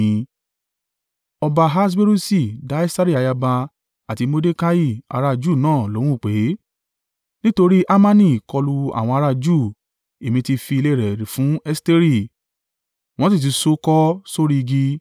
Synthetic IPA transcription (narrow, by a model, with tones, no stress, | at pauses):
ĩ˨˧ | ɔ˧ba˧ɦa˦s̬be˦ɾu˦si˦˨da˦ɛ˦sa˦ɾi˦a˨˧ja˧ba˧ | a˨ti˧mo˧de˦ka˦ji˦˨a̰˧ɾa˧d͡ʒu˦˨nãː˦˨lõ˨˦ũ˦˨k͡pe˨˦ | nĩ˦to˧ɾi˦ʔa˦mã˦nĩ˦˨kɔ˧lu˧a̰˦˨w̃ɔ̃˧a˧ɾa˧d͡ʒu˦˨ | e˨mĩ˧ti˧fi˧le˦˨ɾɛ˨ɾe˨fũ˨˦ɛ˦ste˦ɾi˦˨ | w̃ɔ̃˦s̬i˦˨t̬i˨˧so˦kɔ˦so˦ɾi˧ɡi˧